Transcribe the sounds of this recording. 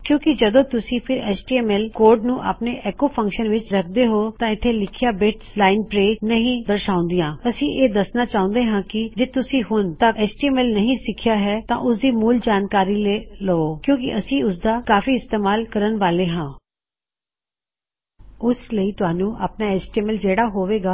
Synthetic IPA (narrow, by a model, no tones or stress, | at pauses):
kjõːkɪd͡ʒəd̪õːt̪ʊsĩːpʰɪɾɛːt͡ʃʈiːɛːmɛːlkoːɾɖnũːʔa̰ːpneːʔɛːkoːpʰə̃ŋkʃənʋɪt͡ʃɾəkʰd̪eːɦoːt̪ãːɪt̪ʰːeːlɪkʰɪjaːbɪʈslaːɪnpɾeːnəɦĩːd̪əɾʃaːʊ̃nd̪ijãːəsĩːʔeːd̪əsnaːt͡ʃaːʊ̃ːnd̪eːɦãːkɪd͡ʒeːt̪ʊsĩːɦʊnt̪əɛːsʈiːɛːmɛːlnəɦĩːsɪkʰjaːɦɛːt̪ã̰ːʔʊsd̪iːmuːld͡ʒaːnkaːɾiːleːləoːkjõːk̬ɪ̰ʔəsĩːʊs̬d̪aːkaːfiːɪst̪eːmaːlkəɾənʋaːleːɦãː | ʊsləiːt̪ʊaːnũːʔa̰ːpnaːɛːsʈiɛːmɛːld͡ʒeːɽaːɦoːʋeːɡaː